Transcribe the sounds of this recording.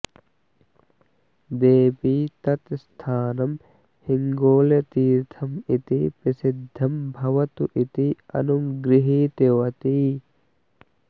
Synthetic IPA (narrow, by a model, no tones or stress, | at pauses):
d̪eːpiːt̪ɐt̪st̪ʰaːnɐm | hɪŋɡoːlet̪iːɾt̪ʰɐmit̪ipɐsɪd̪ʱːɐmbʱɐʋɐt̪uʔit̪iɐ̰numɡɾɪɦit̪eʋɐt̪i